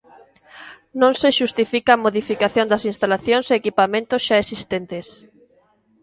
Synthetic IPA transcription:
nõŋseʃust̪ifikaːmoðifikaθjõnd̪ɐsinst̪alaθjõŋseːkipamẽnt̪osʃaesist̪ent̪es

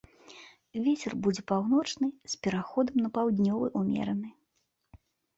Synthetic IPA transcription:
vʲet͡sʲɛrbud͡zʲɛpawn̪ɔt͡ʂnɨsʲpʲɛɾaxɔd̪ɐmnɐpawd̪ʲnʲɔvɨʔumʲɛ̰ɾɐnɨ

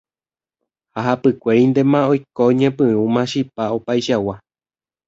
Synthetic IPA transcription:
haɦapɨkʷeɾind̪emãojkoɲẽpɨumãʃipaopaiʃawa

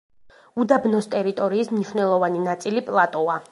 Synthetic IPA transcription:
ud̪abnɔst̪ʼɛɾit̪ʼɔɾiːsmniʃwnɛlˠɔvaninat̪sʼilipʼlˠat̪ʼɔa

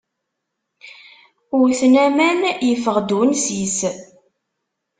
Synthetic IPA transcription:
ʊɾθnæmænjəfəʁd̪unsis

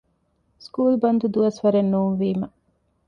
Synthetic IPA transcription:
skuːlbɐnd̪ud̪uɐsʋɐɾenːuːnʋiːmɐ

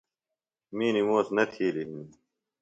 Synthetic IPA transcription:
miːnimoːsnɐt̪ʰiːliin

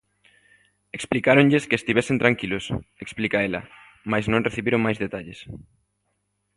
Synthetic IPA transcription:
eksplikaɾoɲʎɪskɪest̪iβɛsent̪ɾaŋkilʊseksplikaelɐ̰ | majznõŋreθiβiɾoŋmajzðet̪aʎes

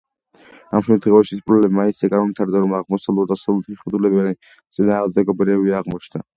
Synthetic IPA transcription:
amʃɛmt̪ʰχɛvaʃispʼɾɔlɛmainsʰiaɡʼaɾmɔmmit̪ʰaɾd̪aɾɔmaʁmɔsalˠɔɾd̪asaiχwɛd̪ulɛbani | t̪sʼinaːʁd̪ɛɡɔbɾɛbiaʁmɔt͡ʃʰna

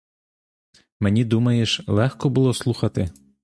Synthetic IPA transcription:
mɛnʲid̪umɐjeʃlˠɛxkɔbulˠɔslˠuxɐt̪ɪ

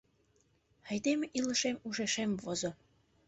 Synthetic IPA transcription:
hæ̆jd̪emeʔilɤ̆ʃemuʒeʃemvozŏ

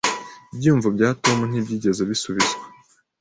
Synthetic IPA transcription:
ibjiːɱvubɟaːto̞mun̥ibɟiːɟe̞zoβisuβizɡwe

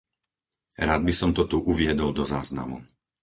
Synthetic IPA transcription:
ɾaːd̪̚bisɔmt̪ɔt̪uʔuʋɪɛd̪ɔld̪ɔzaːzna̰mṵ

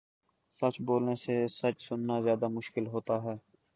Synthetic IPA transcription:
sɐt͡ʃboːlnesesɐt͡ʃsʊnːazjaːd̪amʊʃkɪlɦoːt̪aɦɛː

